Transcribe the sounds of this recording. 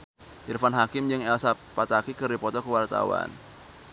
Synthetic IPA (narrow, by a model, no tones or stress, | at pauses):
ʔirfanɦakɪmd͡ʒɨŋɛlsapat̪akikɨrdipɔt̪ɔkəwart̪a̰wa̰n